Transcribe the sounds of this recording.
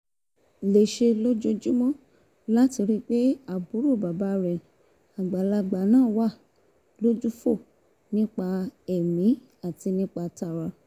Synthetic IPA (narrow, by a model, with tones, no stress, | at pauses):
le˨ʃe˧lo˦d͡ʒo˧d͡ʒu˦mɔ̃˦ | la˦ti˧ɾi˦k͡pe˦a˨bu˨˦ɾu˦˨ba˨ba˨˦ɾɛ˨ | a˨ɡ͡ba˨˦la˧ɡ͡ba˨˦nãː˦˨wa˦˨ | lo˦d͡ʒu˦fo˦˨ | nĩ˦k͡pa˧ɛ˨mĩ˨˦ | a˦˨ti˧nĩ˦k͡pa˧ta˧ɾa˧